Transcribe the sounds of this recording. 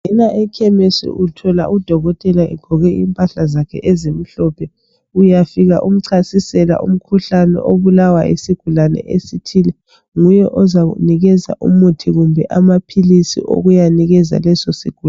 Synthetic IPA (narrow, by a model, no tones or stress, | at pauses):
ɛnaʔɛkʰɛmesḭʔutʰɔla̰ʔud̥ʱɔɣɔtʼɛlaɛ̰ɡ̥ʱɔɣɛimpʼaɬazakʰɛ̰ʔɛzem̩ɬɔpʰɛ | ujafiɣa̰ʔum̩ǀʰasisɛla̰ʔṵm̩kʰuɬanɛ̰ʔoβulawaḭsiɡ̥ʱulanɛ̰ʔesitʰilɛ | ŋujɛʔɔzaɣṵniɣɛza̰ʔṵmutʰiɣumbʱɛʔamapʰilisḭʔo̰ɣujaniɣɛza̰lɛsɔsḭɡ̥ʱu